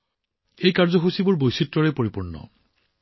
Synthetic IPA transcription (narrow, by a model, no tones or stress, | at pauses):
ejkaɹzɔɦusibuɹbojsitːɔɹɛpoɹipuɹnːɔ̰